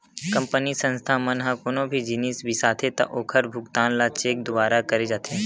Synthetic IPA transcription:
kɐ̃mpənisə̃nst̪ʰamɐnɦãkoːnõbʱid͡ʒiniːsbisaːt̪ʰet̪ɐ̰ʔoːkʰəɾbʱʊkt̪ãːnlat͡ʃeːk̚d̪ʊʋaːɾakɐɾed͡ʒaːt̪ʰeː

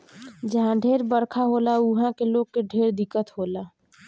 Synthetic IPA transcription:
d͡ʒəɦãɖʱeːɾbəɾkʰaɦoːlaʊɦãkeloːɡ̚keɖʱeːɾd̪ɪkːət̪ɦoːla

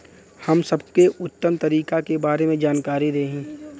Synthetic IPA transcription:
hɐmsɐbkeʔʊt̪ːəmt̪ɐɾiːkakebaːɾemẽd͡ʒaːnkaːɾiɾɐeɦĩː

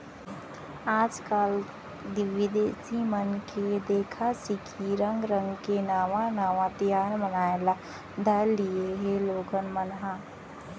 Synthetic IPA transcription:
aːd͡ʒkaːl | d̪ɪʋɪd̪eːsimənked̪eːkʰasɪkʰiɾə̃ŋɡɾə̃ŋɡkenaːʋãnaːʋãt̪jaːnbənaːela | d̪ʱəlieɦẽloːɡənmənɦa

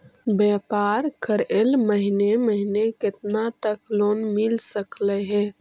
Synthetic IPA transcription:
bjɛːpaːɾkʰəɾelməɦineməɦinekɪt̪nat̪əkloːnmɪlsəklɛɦɛ̃ː

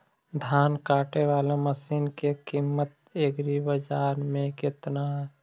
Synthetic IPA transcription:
d̪ʱaːnkaːʈeʋaːleməsiːnkekimːət̪̚ | eːɡɾibəd͡ʒaːɾmẽkɪt̪naɦɛ

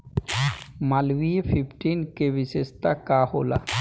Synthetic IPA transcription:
malwiepʰipʈinkebiʃest̪akaɦola̰

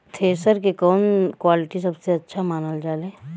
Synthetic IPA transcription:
t̪ʰeːsɐɾkekɔːnkwaːlɪʈisɐbseɐtːʃʰamaːnəld͡ʒaːlẽː

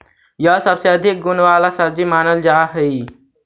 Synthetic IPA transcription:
jəɦsəbseəd̪ʱik̚ɡʊnʋaːlasəbd͡ʒimaːnəld͡ʒaːɦəi

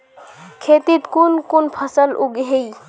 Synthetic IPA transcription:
kʰeːt̪it̪kunkunpʰəsəlʊɡɦei

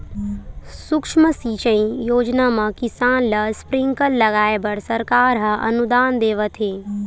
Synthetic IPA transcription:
sʊkʂməsiːt͡ʃə̃ĩjoːd͡ʒnamɐ̃kɪsaːnlɐspɾɪ̃ŋkəlːɐɡaːebəɽsɐɾkaːɾɦɐʔɐ̰nud̪aːnd̪eːʋət̪ʰɦeː

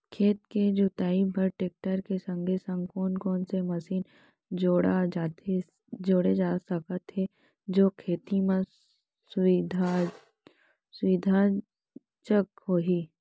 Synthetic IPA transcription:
kʰeːt̪̚ked͡ʒut̪aːibʱəɾʈeːk̚ʈəɾkesə̃ŋɡʱesə̃ŋɡkɔːnkɔːnsemɐsiːn | d͡ʒoːɽad͡ʒaːt̪e | d͡ʒoːɽed͡ʒaːsəkət̪ɦe | d͡ʒoːkʰeːt̪imẽ | sid̪ʱa | sʋid̪ʱa | t͡ʃəkɦoːɦiː

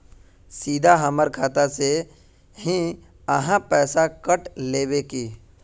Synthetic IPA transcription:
siːd̪ʱaɦəməɾkʰaːt̪ase | ɦi | əɦãpɛːsakəʈleːbekiː

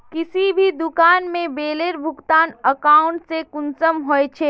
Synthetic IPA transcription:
kɪsibʱid̪ʊkaːnmẽbeːleːɾbʱʊɡt̪aːnəkaːʊ̃ɳʈsekʊnsəmɦoet͡ʃʰeː

